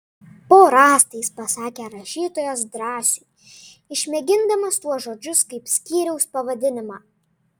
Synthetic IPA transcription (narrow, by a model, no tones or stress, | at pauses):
poːɾɑːst̪ɐɪspɐsɑːkʲɛɾɐʃʲiːt̪oːjoːsd̪ɾɑːsʲʊɪ | ɪʃʲmʲɛɡʲɪnd̪ɐmɐst̪uɔsʒoːd͡ʒʲʊskɐɪpsʲkʲiːɾʲɛʊspɐʋɐd̪ʲɪnʲɪmɑː